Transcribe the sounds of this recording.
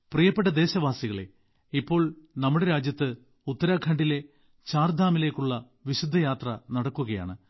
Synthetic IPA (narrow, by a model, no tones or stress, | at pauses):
prijɐpːe̞ʈːɐd̪e̞ːɕɐʋaːsiɣɐɭe̞̰ | ipːo̞ːɭnɐmːuɽe̞ɾaːd͡ʑjɐt̪ːɨ | ut̪ːɐɾaːkʰɐɳɖile̞ | t͡ɕaːrd̪ʱaːmile̞ːkːuɭːɐ | ʋiɕud̪ʱːɐjaːt̪rɐnɐɽɐkːuɣɐja̰ːɳɨ